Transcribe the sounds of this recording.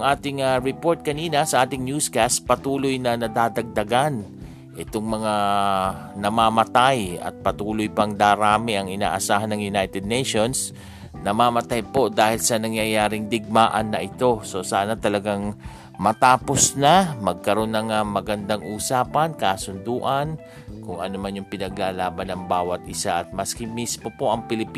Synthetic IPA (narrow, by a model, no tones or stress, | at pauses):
ŋʔaːt̪ɪŋaɹɛpo̞ɹt̪̚kɐniːnɐsɐʔaːt̪ɪŋnuskast̪̚pɐt̪uːlojnɐnɐd̪aːd̪ɐɡ̚d̪ɐɡan | ʔɪt̪o̞ŋmɐŋa | nɐmaːmɐt̪ajɐ̰t̪̚pɐt̪uːlojpɐŋd̪aːɾaːmɪʔɐŋɪna̰ːʔɐsaːɦɐnːɐŋjʊnajt̪ɛd̪̚nejʃo̞ns | nɐmaːmɐt̪ajpo̞d̪aːhɪlsɐnɐŋjajaːɾɪŋd̪ɪɡ̚maʔɐnːɐʔɪt̪o̞so̞saːnɐt̪ɐlɐɡaŋ | mɐt̪aːpo̞snɐmɐɡ̚kɐɾo̞nːɐŋɐmɐɡɐnd̪aŋʔuːsaːpɐnkasʊnd̪uːʔɐn | kʊŋʔɐnomanjʊŋpɪnɐɡ̚laːlaːbɐnːɐŋbaːwɐt̪̚ʔɪsaʔɐt̪̚mɐskɪmismo̞po̞ʔɐŋpɪlɪpː